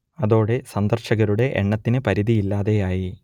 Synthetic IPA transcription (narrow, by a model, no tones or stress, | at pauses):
ɐðo̞ːɽe̞sɐnd̪ɐrɕɐɣɐɾuɽe̞ʔḛɳːɐt̪ːinɨpɐɾiðijilːaːðe̞jaːji